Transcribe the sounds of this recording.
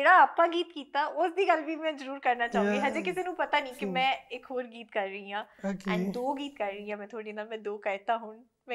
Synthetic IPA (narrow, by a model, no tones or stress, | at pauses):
d͡ʒeːɽaːəpãːɡiːt̪kiːt̪aːʔʊsd̪iːɡəlʋiːmɛ̃ːzəɾuːɾkəɾnaːt͡ʃaːɦũɡiːɦãd͡ʒeːkɪseːnũːpət̪aːnĩːkɪmɛ̃ːɪkɦoːɾɡiːt̪kəɾːəĩːɦãːɛ̰̃ːnd̪oːɡiːt̪kəɾːəiːãːmɛ̃ːt̪ʰaːɽiːnaːmɛ̃ːd̪oːkəɪt̪ãːɦʊːɳ | mɛ̃